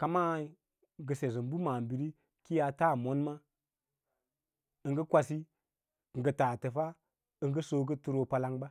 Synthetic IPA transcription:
ka˨ma˦ | ɡə˨se˨zə˨m˦bu˦ma˨m˨bi˨ɾi˦ | ki˦ja˧ta˦˨mo˦nma˦ | ə˨ŋɡə˦kʷa˧si˦˨ | ŋ̩˨ɡə˨taː˨tə˨fa˦ | ə˦ŋɡə˦so˦ɡə˦tu˦ɾo˨pa˨la˦ŋba˦

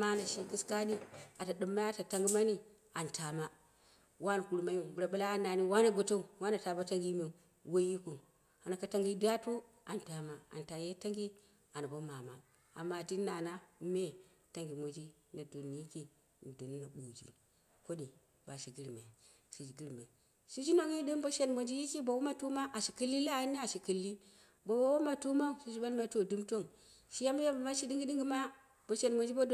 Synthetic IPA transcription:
ma˦na˨ʃi˦ɡi˦ska˦ni˦a˨ta˨ɗɨ˨mːa˦ja˦ta˨ta˦ŋɡi˦ma˦ni˦ | a˨nta˨ma˦ | wa˦n˨ku˨ɾma˦ji˦bu˨ɾa˨ba˦la˦a˦na˨ni˦wa˦na˨ɡo˨to˦u˨wa˦na˨ta˨ba˦ta˦ŋɡi˦mi˦˨ | wo˦ji˦ku˨ | a˨na˨ka˦ta˦ŋɡi˦da˦tu˦ | a˨nta˨ma˦a̰˨nta˨je˦ta˦ŋɡi˦ | a˨na˨bo˦ma˨ma˦ | a˨mːa˦˨ti˦na˨na˦me˦ | ta˦ŋɡi˨mo˨d͡ʒi˦na˨do˨nː˨i˦ki˦ | n˨do˨n˦na˨bu˨d͡ʒḭ˦ | ko˦ni˨ | ba˨ʃi˨ɡi˦ɾme˨ | ʃi˨d͡ʒi˨ɡi˦ɾme˨ | si˦d͡ʒi˦no˦˨ŋ˦i˦di˦mbo˦ʃe˦nmo˨nd͡ʒi˦ji˦ki˦bo˨wo˦ma˦tu˦ma˦ʔa˨ʃi˨ki˦lːi˦la˦˨˦ni˦a˨ʃi˨ki˨lːi˦ | bo˨wo˦wo˦ma˨tu˦ma˦u˦˨si˦d͡ʒi˦ba˦lma˨to˦˨du˦mto˦˨ŋ | ʃi˦ja˦m˦ja˦bu˨ma˦ʃi˦di˦ŋɡi˦di˦ŋɡi˦ma˦ | b̥o˨ʃe˨nmo˨d͡ʒi˦bo˦do˦

